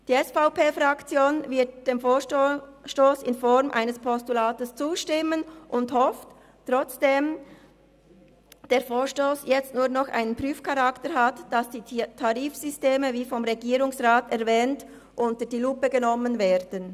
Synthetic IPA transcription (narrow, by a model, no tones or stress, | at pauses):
d̥iːɛsfaʊpeːfʁɑkt͡sjoːnvɪt̚d̥eːmfoːʃtoːsɪnfɔɾmʔa̰ɪnəspʰɔstulaːtəst͡suːʃtɪmənʔʊnthɔft | tːʁ̥ɔt͡sd̥eːm | d̥eːɐfoːʃtoːsjɛt͡stnuːɐnɔχʔa̰ɪnənpʁyːfkʰɑʁɑktəɾɦatd̥ɑsd̥iːtʰɑʁiːfsʏsteːməviːfɔmʁɛɡiːɾʊŋsʁaːtɛɐvɛːnt | ʔʊntədiːlupəɡənɔmənveːɾdən